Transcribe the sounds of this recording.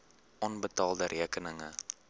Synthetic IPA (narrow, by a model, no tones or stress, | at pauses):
ʔɔnbətɑːlˠdəɾʔiəkənəŋə